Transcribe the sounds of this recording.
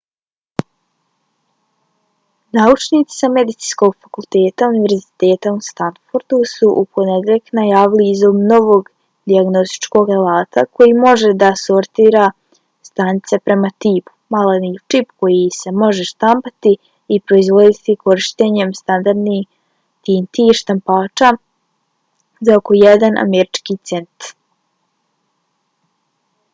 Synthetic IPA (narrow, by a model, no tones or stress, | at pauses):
naut͡ʃniːt̪si̥same̞d̪it̪si̥ːnsko̞ɡfakulˠt̪eːt̪auniʋe̞ɾzi̥t̪e̞ːt̪aust̪ant̪foɾd̪usuʔupʰo̞ned̪elʎknajaːʋiliːzobno̞ʋo̞ːɡ | d̪iaɡno̞st̪i̥t͡ʃko̞ːɡalaːt̪akʰo̞jimo̞ʒe̞d̪aso̞ɾt̪iːɾa | st̪anit̪se̞pɾe̞mat̪iːpu̥malanift͡ʃipko̞jise̞mo̞ʒe̞ʃt̪ampat̪iː | pɾo̞izʋo̞d̪it̪ikʰo̞ɾiʃt̪eɲe̞mst̪and̪aɾd̪ni | t̪iːnt̪iʃt̪ampaːt͡ʃa | zao̞ko̞jɛd̪anʔa̰meɾit͡ʃkit̪se̞nt̪